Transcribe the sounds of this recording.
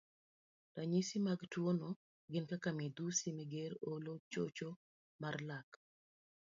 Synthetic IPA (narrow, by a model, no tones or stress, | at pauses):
taɲisimaɡtwono | ɡɪnkakamed̪usimeɡeɾolot͡ʃo̰t͡ʃo | marlak